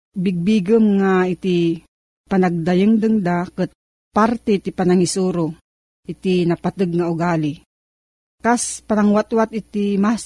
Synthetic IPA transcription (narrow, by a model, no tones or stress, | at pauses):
bɪɡ̚biɡəmŋait̪i | panaɡ̚d̪ajɨŋd̪ɨŋd̪akət̪̚ | paɾt̪ɛt̪ipanaŋisuɾo | ʔɪt̪inapat̪ɨɡ̚ŋaʊɡaːli | kaspanaŋwat̪wat̪ɪt̪imas